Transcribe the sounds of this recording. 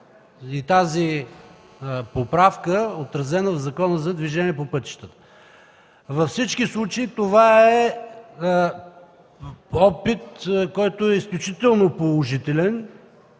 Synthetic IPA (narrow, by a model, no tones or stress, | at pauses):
it̪azi | popɾafkəot̪ɾɐzɛnəvzɐkɔnəzɐd̪viʒɛnʲiɛpopɤt̪i̥ʃt̪ət̪ə̥ | vɐfsit͡ʃkislˠut͡ʃeit̪ovaɛ | ɔpit̪kɔjt̪oɛisklʲʊt͡ʃit̪ɛlˠnopolˠoʒit̪ɛlɛn